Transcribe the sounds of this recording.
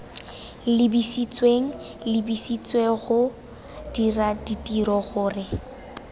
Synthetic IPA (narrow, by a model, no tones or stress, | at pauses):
lɪbisit͡sʼweŋ̩ | lɪbisit͡sʼweɣʊ | d̥iraditʼiɾɔɣʊːrɪ